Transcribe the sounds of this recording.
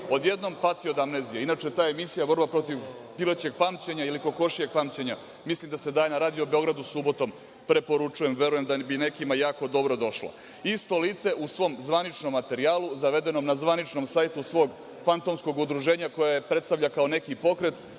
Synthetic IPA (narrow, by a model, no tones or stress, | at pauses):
o̞d̪je̞d̪no̞mpat̪iod̪amnezijeinat͡ʃet̪aːjemisijaborbapɾo̞t̪iʋ | pilot͡ɕe̞ɡ̚pamt͡ɕe̞ɲajeliko̞ko̞ʃije̞ɡ̚pamt͡ɕe̞ɲa | mislimd̪ase̞d̪aːjenaɾaːd̪ijo̞beo̞ɡɾad̪usubo̞t̪o̞m | pɾe̞po̞ɾut͡ʂuje̞mʋe̞ɾuje̞md̪abine̞kimajaːko̞d̪o̞bɾo̞d̪o̞ʃlo̰ | ist̪o̞liːt̪se̞ʔusʋo̞mzʋanit͡ʃnomːat̪e̞ɾiaːluzaʋe̞d̪e̞no̞mnazʋanit͡ʃnomsajt̪usʋo̞ːɡ | fant̪o̞msko̞ɡud̪ɾuʒe̞ːɲako̞jajepɾet̪st̪aʋʎakao̞ne̞kipo̞kɾe̞t̪